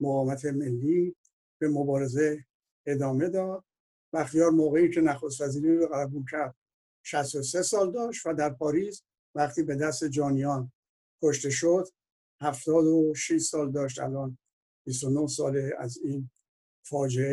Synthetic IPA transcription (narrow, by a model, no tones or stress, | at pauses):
moɣɒːmæt̪ʰe̞me̞lːi | b̥e̞mobɒːɾe̞ze̞ | ed̪ɒːme̞d̪ɒːd̪̥̚ | bæxt̪ijɒːɾmoːɣe̞iːcʰe̞næxost̪væziːɾiɾoɣælæbuːncʰæɾd̪̥̚ | ʃæst̪o̞sesɒːld̪ɒːʃt̪væd̪æɾpʰɒːɾiːz | væχt̪iːbe̞d̪æst̪e̞d͡ʒɒːnijɒːn | kʰoʃt̪e̞ʃod̪̥ | hæft̪ɒːd̪oʃiʃsɒːld̪ɒːʃt̪æ̰lɒːn | b̥is̬t̪o̞nohsɒːleæ̰ziːn | fɒːd͡ʒee